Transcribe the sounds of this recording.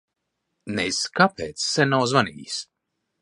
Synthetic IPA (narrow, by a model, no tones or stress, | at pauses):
nɛjskapɛːt̪ssɛnawzvanḭːs